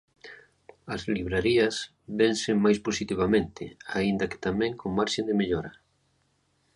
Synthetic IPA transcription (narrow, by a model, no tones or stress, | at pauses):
ɐzliβɾaɾiɐs | βɛnseŋmajsposit̪iβamẽnt̪ɪ̰aind̪ɐke̥t̪amɛ̃ŋkʰoŋmaɾʃend̪emeʎoɾɐ